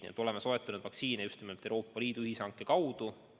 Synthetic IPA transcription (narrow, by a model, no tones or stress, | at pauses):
nḭḛt̪o̞le̞meso̞et̪ˑːɑnud̪vɑksiːnejust̪nimlt̪ːˑewɾo̞ːpːˑɑliːd̪̥uyhisɑŋkːˑekɑwd̪̥u